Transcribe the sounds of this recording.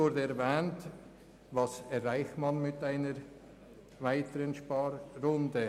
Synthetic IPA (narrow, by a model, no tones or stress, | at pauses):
ʊɾdəɛɾvɛːnt | vɑsɛɾːaɪxtmɑnmɪtaɪnəɾ | vaɪtəɾənʃpɑːɾːʊndə